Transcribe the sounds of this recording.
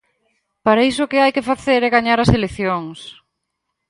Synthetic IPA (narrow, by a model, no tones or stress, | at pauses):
paɾais̬ʊkɪajkefaθeɾɛɣaɲaɾɐseleθjoŋs